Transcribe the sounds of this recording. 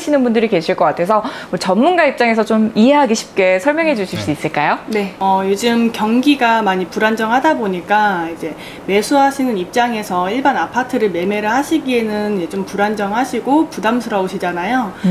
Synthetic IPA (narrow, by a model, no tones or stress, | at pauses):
ɕʰinɯnbundɯɾike̞ɕʰiɭk͈ʌk͈atʰe̞s̬ʰʌmʌt͡ɕʌmːunɡaip̚t͡ɕ͈aŋesʰʌt͡ɕomiɦe̞ɦaɡiɕʰi̥p̚k͈e̞sʰʌɭmjʌŋɦe̞d͡ʑuɭɕʰiɭs͈uis͈ɯɭk͈ajone̞ʌjod͡ʑɯmkjʌŋɡiɡamaɲipuɾand͡ʑʌŋhadaboɲik͈aid͡ʑe̞ | me̞sʰuɦaɕʰinɯnip̚t͡ɕ͈aŋe̞sʰʌiɭbanapʰatʰɯɾɯɭme̞me̞ɾɯɭhaɕʰiɡienɯnjed͡ʑompuɾand͡ʑʌŋɦaɕʰiɡopudamsʰɯɾʌoɕʰid͡ʑanajo